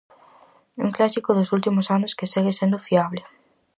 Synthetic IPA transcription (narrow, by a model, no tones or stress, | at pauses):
ṵŋklasikʊðosult̪imʊsanʊskeseɣesend̪ʊfiaβlɪ